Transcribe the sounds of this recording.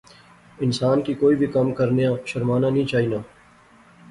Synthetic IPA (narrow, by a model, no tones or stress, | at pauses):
ɪnsaːnkikoːibʱikɐmkɐɾnejãʃɐɾmaːnanĩt͡ʃaːɦiːnaː